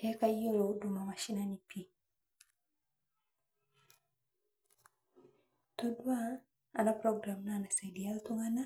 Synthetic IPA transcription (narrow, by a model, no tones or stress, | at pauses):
ekajolodumamaʃinanipʰi | todwa | anapɾoɡɾamnanasedialtuŋana